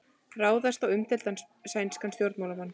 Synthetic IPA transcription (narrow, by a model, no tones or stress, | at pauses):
raːwðast̪awʏmt̪ʰɪlt̪an | saːjnskanst̪jowɾt̪mawlamanː